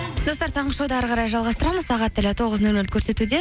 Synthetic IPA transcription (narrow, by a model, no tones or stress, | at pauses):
d̪̥ost̪ɑɾt̪ʰɑɴʁəʃowd̪əæɾʁɑɾɑjʒɑlˠʁɑst̪əɾɑməzsɑʁɑt̪ːɪlɪt̪ʰo̞ʁəznɵlɵlt̪̚kʰɵɾse̞t̪ud̪e̞